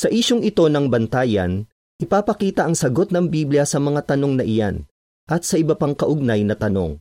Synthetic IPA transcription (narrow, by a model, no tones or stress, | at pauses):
sɐʔiːʃoŋɪt̪o̞nɐŋbɐnt̪aːjɐ̰n | ʔɪpaːpɐkiːt̪ɐʔɐŋsɐɡo̞t̪̚nɐŋbiːbljɐsɐmɐŋat̪ɐno̞ŋnɐʔɪja̰n | ʔɐt̪̚sɐʔɪbɐpaŋkɐʔʊɡ̚najnɐt̪ɐno̞̰ŋ